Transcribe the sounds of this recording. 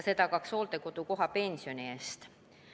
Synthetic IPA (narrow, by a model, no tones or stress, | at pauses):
set̪ɑˑkɑksolt̪ekot̪ukoɦɑpensioneːst̪